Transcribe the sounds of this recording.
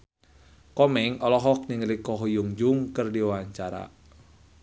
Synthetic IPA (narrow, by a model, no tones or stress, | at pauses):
kɔmɛŋɔlɔɦɔk̚niŋlikɔɦujuŋd͡ʒuŋkɨrdiwawaɲt͡ʃaɾa̰